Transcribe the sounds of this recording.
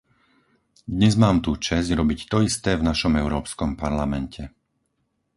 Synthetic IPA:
d̪ɲɛzmaːmt̪uːt͡ʃɛzɟɾɔbict̪ɔist̪ɛːvnaʃɔmɛʊɾɔːpskɔmpaɾlamɛncʰɛ

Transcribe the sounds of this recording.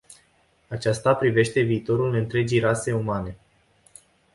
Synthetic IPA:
at͡ʃast̪apɾive̞ʃt̪e̞viːt̪o̞ɾulɨnt̪ɾe̞d͡ʒijɾase̞umane̞

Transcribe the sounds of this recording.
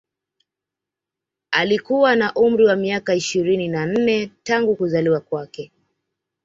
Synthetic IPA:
alikuwanaʔum̩ɾiwamiakaiʃiɾininan̩nɛtaŋɡukuzaliwakwakɛ

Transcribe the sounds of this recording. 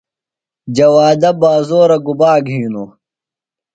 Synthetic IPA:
d͡ʑɐwaːd̪ɐbaːzoːɾɐɡubaːɡʱiːnu

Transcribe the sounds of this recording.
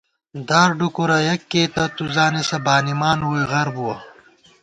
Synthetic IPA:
d̪aːɾɖukuɾɐjɐkːeːt̪ɐt̪uzaːnesɐbaːnimaːnuweɣɐɾbuwɐ

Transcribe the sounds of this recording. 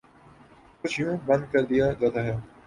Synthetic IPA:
kʊt͡ʃʰɪjũːbə̃nd̪̚kəɾd̪ɪjaːd͡ʒaːd̪aːɦɪjaː

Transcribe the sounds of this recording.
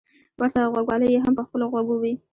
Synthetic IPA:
wʔaɾt̪aɣwaɡwɑləjeɦampəxpəloɣwaɡowi

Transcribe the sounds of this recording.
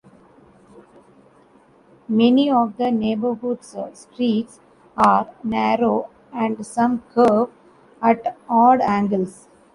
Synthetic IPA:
mɛniɔːʋd̪əneːbəɾɦʊɖssʈɾiːʈs | aːɾnæːɾoː | æ̃ɳɖsʌ̃mkʰəːʋ | æʈɔːlɖæ̃ːŋɡəls

